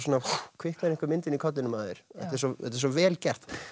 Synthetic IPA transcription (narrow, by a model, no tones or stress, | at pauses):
sɔːnakʰvɪhknaðɾɪ̃ŋkaɾmɪnt̪ɪnikʰɔt̪lɪnʏmaːðɪɾ̥ɛ̰ht̪ɛɾs̬ɔɛ̰t̪̬ɛɾs̬ɔvɛːlcɛr̥t̪